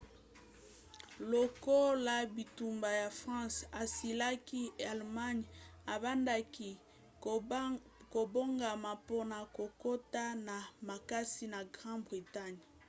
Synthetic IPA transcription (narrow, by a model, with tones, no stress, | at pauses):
lo˨ko˦la˨bi˨tu˨mba˨ja˨fʁɑ̃˦sa˨si˨la˦ki˦a˨lma˦ɲa˨ba˦nda˦ki˦ | ko˨bo˦ŋɡa˨ma˨po˦na˨ko˨ko˦ta˦na˨ma˨ka˦si˦na˨ɡʁɑ̃˦bʁi˨ta˦ɲ